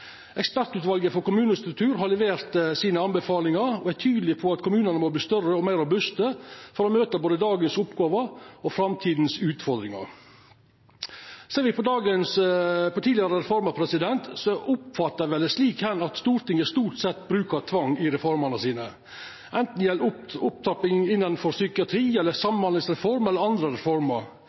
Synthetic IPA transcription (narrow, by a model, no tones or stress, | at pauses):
ɛkspæɾt̪ʉːt̪ʋɑlɡəfɔɾkʊmʉːnəst̪ɾʉk̚t̪ʰʉːɾɦɑlɛʋeːɾt̪siːnəɑnbɛfɑːlɪŋɑɾɔæt̪ʰyːd̪lɪpʰɔɑt̪kʰʊmʉːnənəmɔbliːst̪œrəɔmæɪɾʊbʉst̪əfɔɾɔmøːt̪əboːd̪əd̪ɑːɡənsʊpɡɑːʋəɔfɾɑmt̪ʰiːd̪n̩sʉːt̪fɔɾd̪ɾɪŋɑ̰ɾ | seːɾʋɪpʰɔd̪ɑːɡənspɔt̪ʰiːlɪɑɾəɾɛfɔɾmɑpʰɾɛsɪd̪ɛnt̪sɔʔʊpfɑt̪ːəæʋɛləsliːkhɛnɑt̪st̪uːɾt̪ɪŋːəst̪uːʈsɛt̪ːbɾʉːkɑt̪ʰʋɑŋːɪɾɛfɔɾmɑnəsiːnə | ʔɛnt̪n̩jɛlʊp̚t̪ʰɑpɪŋɪnːɑnfɔɾsʏkɪɑt̪ʰɾiːɛlːəsɑmːənhɑnlɪŋsɾɛfɔɾmɛlːəɾɑnd̪ɾəɾɛfɔɾmɑɾ